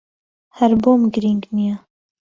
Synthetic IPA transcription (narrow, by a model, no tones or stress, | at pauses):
hæɾboːmɡɨɾiŋɡnija